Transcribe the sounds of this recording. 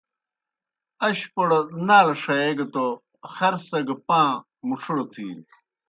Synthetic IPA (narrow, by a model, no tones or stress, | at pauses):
ɐɕpoɽɐnaːlɐʂɐeɡɐt̪o | xɐɾsɐɡɐpãː | muʈ͡ʂʰuɽot̪ʰḭːn